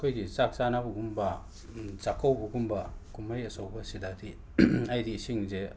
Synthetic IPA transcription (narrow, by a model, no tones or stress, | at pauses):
kʰojdit͡ʃak̚t͡ʃanabuɡumbɐ | zakʰːawbuɡumbɐkumajɐsawbɐsidadi | ajdisiŋze